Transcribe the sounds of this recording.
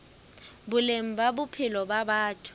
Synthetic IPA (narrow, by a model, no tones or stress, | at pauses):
bʊlem̩babʊpʰɪlɔbabaːtʰu̥